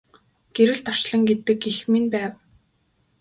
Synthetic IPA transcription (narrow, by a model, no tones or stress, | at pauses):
ɡ̥eɾɘ̆ɮt̪ʰɔ̥ʃɮə̆ŋɡet̪ɘ̆kixminpæːw